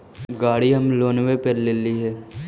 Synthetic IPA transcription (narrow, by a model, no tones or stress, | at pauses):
ɡaːɽiɦɐmloːnwepeɾlɪliɦɛː